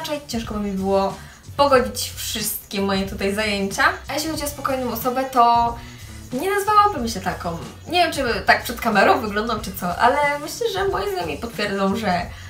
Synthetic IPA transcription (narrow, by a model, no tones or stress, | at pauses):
t͡ʂɛjt͡ɕɛ̃ʂkɔbɘmʲibɘwɔ | pɔɡɔd͡ʑit͡ɕfʂɘst̪̚kʲɛmɔjɛt̪ut̪ajzajeɲt͡ɕaajeɕ̬lʲixɔd͡ʑiɔspɔkɔjnɔ̃w̃ɔsɔbɛt̪ɔ | ɲɛnazvawabɘmɕɛt̪akɔm | ɲevʲjɛmt͡ʂɘt̪ak̚pʂɛt̪kamɛɾɔ̃w̃vɘɡlɔ̃nd̪ɔ̃wt͡ʂɘt̪sɔʔa̰lɛmɘɕlɛʐɛmɔjɛznamʲipɔt̪fʲjɛɾd̪zɔ̃wʐɛ